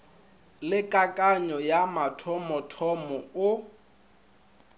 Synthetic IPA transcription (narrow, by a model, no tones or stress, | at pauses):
lɪkʼakʼaɲɔjamatʰɔmɔtʰɔmɔʊ